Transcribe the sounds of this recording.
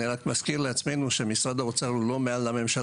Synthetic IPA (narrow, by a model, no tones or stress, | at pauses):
iʁakmaskiʁleat͡sme̞nuʃemisʁad̪aot͡salulo̞me̞alːame̞mʃal